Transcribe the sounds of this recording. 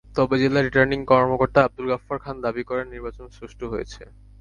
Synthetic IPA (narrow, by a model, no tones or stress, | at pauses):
t̪ɔbed͡ʑelaɾiʈaɾniŋkɔɾmokoɾt̪aab̚d̪ulɡafaɾkʰand̪abikɔɾenːiɾbat͡ɕonsɾuʃʈoɦojḛt͡ɕʰe